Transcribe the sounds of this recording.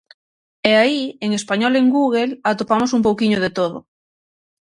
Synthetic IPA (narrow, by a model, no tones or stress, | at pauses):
eaieŋespaɲɔleŋɡuɣ̞elat̪opamosump̬owkiɲoð̞et̪oðo̰